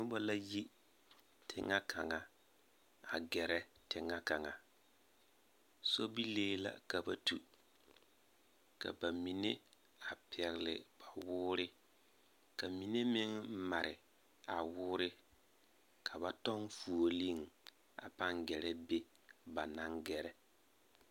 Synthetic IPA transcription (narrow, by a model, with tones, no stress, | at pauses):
nʊ˦bɔ˦la˦ji˦ | tʰɪ̰˨ŋːa˦kʰa˨ŋa˨ | a˨ɡɛ˨ɾɛ˦tɪ˨ŋːa˦ka˨ŋa˨ | so˦bi˦leː˦la̰˨ka˨ba˦tu˨ | ka̰˨ba˨mi˨ne˦ | a˨pɪ˨ɛ˨ɣɪ˨lɪ̰˨b̥a˨wʊː˦ɾɪ˦ | ka˨mi˨ne˦mɪ˦ŋma˨ɾɪ̰˨ | a˨wʊː˦ɾɪ˦ | kʰa˨ba˦tɔ˦ŋfu˨o˨li˦˨ŋ | a̰˨pa˦ŋɡɛ˨ɾɛ˦be˦ | ba˨na˦ŋɡɛ˨ɾɛ˦